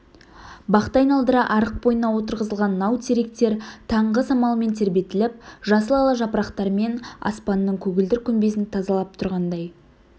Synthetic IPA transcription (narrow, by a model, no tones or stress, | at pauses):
bɑqt̪ɑjnɑlˠd̪əɾɑʔɑɾəq̚bo̞jənɑwo̞t̪əɾʁəzəlˠʁɑnːɑwt̪ʰeɾe̞k̚t̪e̞ɾt̪ʰɑɴʁəsɑmɑlˠəme̞nt̪ʰe̞ɾbe̞t̪ɪlɪp̚ʒɑsəlˠɑlˠɑʒɑpɾɑqt̪ɑɾme̞nɑ̰spɑnːəɴkʲʰɵɡʲɪld̪ɪɾkʲʰɵmbe̞sɪnt̪ʰɑzɑlˠɑp̚t̪ʰʊɾʁɑnd̪ɑj